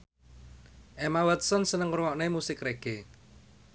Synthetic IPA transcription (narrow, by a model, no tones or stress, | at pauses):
ʔemawɛt̪̚sɔnsənəŋɾwɔʔnemusɪkreɡ̥e